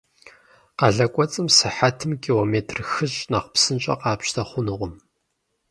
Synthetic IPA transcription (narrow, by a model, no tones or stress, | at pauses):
qɐɮɐkʷʼɔt͡sʼɨmsɨħatʰɨmkʰʲʼiːloːmeːtʰrxɨɕʼnɐqpsɨnt͡ʃʼɐ̰qɑːpɕtʰɐχʷʊnɨʁʷʊm